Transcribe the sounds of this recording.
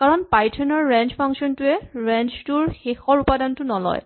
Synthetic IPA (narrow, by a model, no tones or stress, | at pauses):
kaɹɔnpajtʰɔnɔɹːɛnd͡ʒpʰaŋsiɔntʊɛɹɛnt͡ʃtuɹxexɔɹupadantʊnɔlɔ̰j